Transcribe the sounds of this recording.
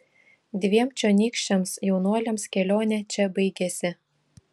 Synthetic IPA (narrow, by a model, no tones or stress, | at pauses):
d̪ʲʋʲiɛmt͡ʃʲonʲiːkʃʲɛmsjɛʊnuɔlʲɛmskʲɛlʲoːnʲɛt͡ʃʲɛbɐɪɡʲɛsʲɪ